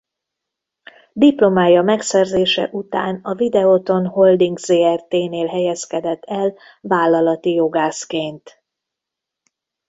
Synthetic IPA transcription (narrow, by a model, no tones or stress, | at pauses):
d̪iplo̞maːjɒmɛksɛrzeːʃɛ̰ʔut̪aːnɒvid̪ɛot̪o̞nho̞ld̪iŋɡzeːɛrt̪eːneːlɦɛjɛskɛd̪ɛt̪ːɛl | vaːlːɒlɒt̪ijo̞ɡaːskeːnt̪